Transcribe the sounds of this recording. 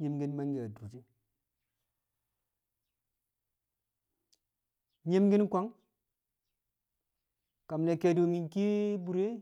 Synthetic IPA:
ɲi˦mɡi˦nma˦ŋɡe˨a˨du˨ti˦ | ɲe˦mɡi˦nkʷa˦ŋ | ka˨mle˨ke˨do˨ŋi˨nki˦bu˨ɾe˦

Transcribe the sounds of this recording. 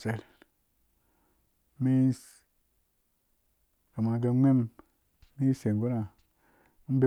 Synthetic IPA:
se˨l | mi˦ | ka˨ma˨ɡe˧˦me˦m | mi˦se˨ŋ˨ɡo˦na˨˦ | m˦be˦

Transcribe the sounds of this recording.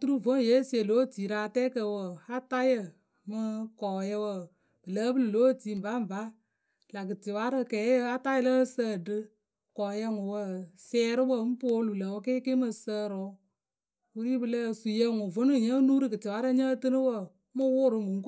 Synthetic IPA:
tu˦ɾu˦˨vo˦˨je˨˦se˨lo˦˨ti˨ɾa˧˦tɛ˦kə˧˨wə˨a˦ta˦jə˧ | mɨ˧kɔː˨jə˧wə˨ | b̥ɨ˨lə˦bɨ˦lɨ˨lo˦˨ti˨˦˨m̩˨ba˦m̩˨ba˦ | la˨kɨ˨tɪ˨wa˦ɾɨ˧kɛː˨˦jə˦a˦ta˦jɪ˦lə˦səː˦˨dɨ˦ | kɔː˨jɛ˧ŋʊ˨wə˧˨sɛː˧ɾɨ˦wə˧˨˦m̩˦poː˦lu˨lə˨wə˧˦ke˦kɪ˦mɨ˧sə˦ɾʊ˨˦ | wɨ˦ɾi˦bɨ˨ləː˦˨su˨jɛ˧ŋʊ˨vo˨˦nɨ˦˨ɲə˦nuː˦ɾɨ˦kɨ˨tɪ˨wa˨˦ɾɨ˦ɲə˦tɨ˦nɨ˦wə˧˨˦ | mɨ˦wʊ˦ɾɨ˧˦mɨ˨ŋ˦k

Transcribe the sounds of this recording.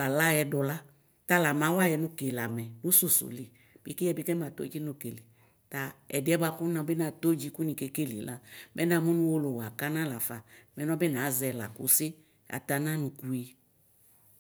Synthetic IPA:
a˨la˦jɛ˧dɔ˨la˦ | t̪a˦la˨mã˨˦wa˦jɛ˧nũ˦ke˨la˨mɛ˨nũ˦su˨sṵ˨li˨ | b̥i˦ki˦ɛ˦˨bi˦kɛ˦ma˨t̪o̰˦d͡ʒi˦nũ˨ke˨li˨ | ta˨ɛ̰˨dɪ˨˦ɛ˦ba˧ku˦nã˧˦bɪ˦nã˨t̪o˦d͡ʒi˧˦ku˦nĩ˨ke˧ke˦lḭ˨la˦mʔɛ˦nã˨mũ˦nũ˦wo˦lo˨wa˨ka˦nã˦la˨fa˨mɛ˨nɔ̃˦bɪ˦nã˨˦zɛ˨la̰˨kṵ˨˦sɪ˦ | a̰˨t̪a˧nã˦nũ˨ku˨˦i˧

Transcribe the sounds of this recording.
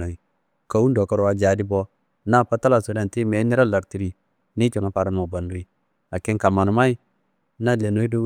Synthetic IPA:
o˨i˨ | ka˨wu˦ndo˨ka˦˨ɾo˨wa˨d͡ʒa˨di˦bo˦ | na˦˨pa˦ta˦la˨so˨da˨ti˦me˨˦ni˦ɾa˦˨la˨kti˨ɾi˨ | ni˦t͡ʃo˨ŋa˨pa˨ɾa˨n˨ma˨ba˨ndu˨˦i˦ | a˨ke˦ŋka˨ma˨nu˨ma˦i˦ | na˦le˨no˨˦i˦do˦

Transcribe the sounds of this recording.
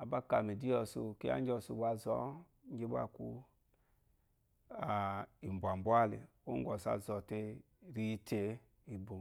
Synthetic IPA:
a˨ba˦ka˨me˨di˦ɔ˧su˧ki˦a̰˦ɲd͡ʒɔ˧su˧˨ɡa˧zɔ˨˦ | ŋ˦ɡe˦ba̰˦˨ku˧˦ | a˨i˨mbʷa˨mbu˦a˦˨lḛ˨ | o˦ŋɡʷɔ˨sa̰˨zɔ˨te˧ | ɾi˦˧tʰe˨˦ | i˨bo˨

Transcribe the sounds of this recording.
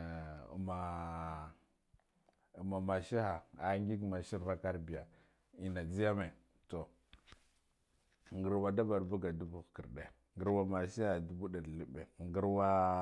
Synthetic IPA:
ṵ˨ma˨ | u˨ma˨ma˨ʃi˦ha˨a˨˦ŋɡi˦kma˨ʃi˦ɾva˦ka˦ɾbi˨ja˨ | i˨na˨d͡zi˦ja˦me˨ | to˨ | ŋɡə˨ɾwa˦da˦ba˨ɾbu˦ɡa˨du˦bu˦˨ki˨ɾɗe˨ | ŋɡə˦ɾwa˦ma˨ʃi˦ha˨du˦bu˦da˨dli˦be˨ŋɡi˦ɾwa˦

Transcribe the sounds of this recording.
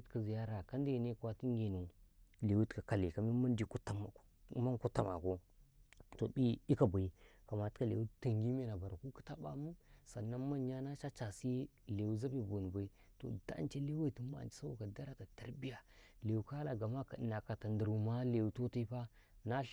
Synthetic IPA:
tka˦zi˨ja˦ɾa˨ka˦nda˦˨ne˦kwa˦ti˦ŋ˦ɡe˨nu˨le˨wu˦tka˨ka˨li˨ka˨mi˦ma˦n˦di˨ku˦ta˦m˨˦ma˦ku˦tːa˦ma̰˨ko˦ | to˨bi˦i˦ka˦˨ba˨i˦ka˨ma˨ta˦lḛ˨wu˦ta˨ŋɡi˦me˦na˨ba˨ɾa˨ku˦ki̥˦ta˦ba̰˦mu˦sa˨nːa˦ma˦n˦ja˦na˦t͡ʃa˦t͡ʃa˨si˦ | le˨wu˦za˦bi˦bu˨n˨ba˨i˦ | to̰˨da̰˦n˦t͡ʃa˦le˦wa˦i˨ti˨˦ma̰˦˨n˨t͡ʃi̥˨sa˦wa˦ka˨da˦ɾa˦ta˨ta˨ɾbi˦ja˨le˨wu˨ka˦la˨ɡa˨ma˦ka˨na˨ka˨ta˨ndə˨ɾu˨ma˦le˨wu˨to˦ta˦i˦pa˦ | na˦ɬ

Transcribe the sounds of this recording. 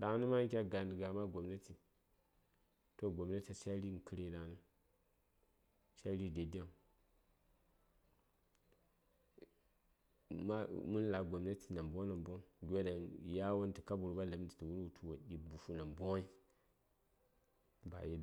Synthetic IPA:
ɗa˨ŋ˦ni˦ma˦kʲa˦ɡa˨ndi˨ɡa˨ma˦ɡo˨mna˦ti˨ | to˦ɡʷo˨mna˦ta˨ʃa˦ɾi˦ŋ˨ki˦ɾe˦ɗa˨˦nɨ˦ | ʃa˦ɾi˦˨de˨da˦ŋ | ma˦mu˦n˦la˨ɡo˨mna˦ti˨na˨mbo˦na˨mbo˦ɡʲo˦da˨nja˦wo˦n˦ti˨ka˦bu˨ɾba˦la˨˦mdi˨ti˨wu˦ɾu˨tʰu˦wo˨ɗi˨bu˨fu˦na˨mbo˦i˦ | ba̰˨ji˦da˦

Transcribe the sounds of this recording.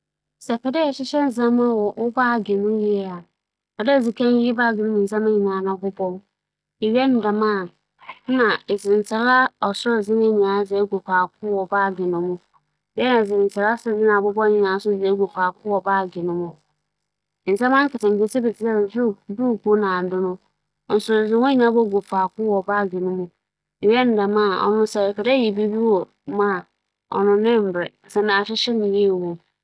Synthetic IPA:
sɛ˨fɛ˨dɛ˦ɛ˨ɕɪ˦ɕɛ˦n̩˨zã˦mã˦˨wɔ˨ʔʊ˦baː˦˨ɡɪ˨nʊ̃˦ji˦ɛ˦a˨ | ɔ˨dɛ˦˨d͡zi˨kʰɛ̃˦n˦i˦baː˦˨ɡɪ˨nʊ̃˦ʊ̃˨n̩˨sã˦mã˦ɲĩ˨nãː˨˦˨nã˨bʊ˦bɔ˦ | e˨ɥɛ˦n̩˨da˨mã˦˨˦ | nã˨e˨zɪ˨n̩˨t͡sʰɪ˨ɾa˦ɔ˨sʊ˦ɾd͡zɪ˦nɪ̃˦˨ɲĩ˨nã˨˦d͡zɛ˨˦ɡʷo˨pʰaː˨kʰʊ˦wɔ˨baː˦˨ɡɪ˨nʊ̃˦mʊ̃˦ | bɪ˦ɛ˦nã˨zɪ˨n̩˨t͡sʰɪ˨ɾa˦sʊ˦˨d͡zɪ˦nã˨bʊ˦bɔ˦ɲɪ̃˨nãː˨˦sʊ˦˨d͡zɛ˨˦ɡo˨pʰaː˨kʰʊ˦wɔ˨baː˦˨ɡnʊ̃˦mʊ̃˦˨ | n̩˨sɛ˦mã˦ŋ˦kɪ˨tɪ̃˨ŋ̩˨ke˨se˦be˨tʰɪ˨˦sɛ˦˨zu˦du˦˨ku˦nã˨dʊ˦nʊ̃˦ | ɔ˨n̩˨sʊ˨o˨zɪ˦wɔ̃˦i˨˦nã˦bɔ˦ɡo˨fa˨kʊ˦wɔ˨ba˦˨ɡɪ˨nʊ̃˦mʊ̃˦˨ | jɛ˦n̩˨da˨mã˦˨ɔ̰˨nʊ̃˦sɛ˨kɛ˨dɛ˦ji˨bi˦bi˦wɔ˨ | mã˦˨ | ɔ̰˨nʊ̃˦nɪ̃˦m̩˨bɾɛ˨n̩˨sɛ˦nã˨ɕɪ˦ɕɪ˦nɪ̃˨je˦˨wõ˨

